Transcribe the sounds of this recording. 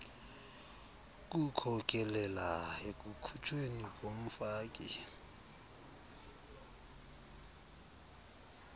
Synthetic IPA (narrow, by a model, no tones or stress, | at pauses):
k̬ʼukʰɔk̬ʼɛlɛlaek̬ʼukʰut͡ʃʰʼwenik̬ʼom̩faːk̬ʼḭ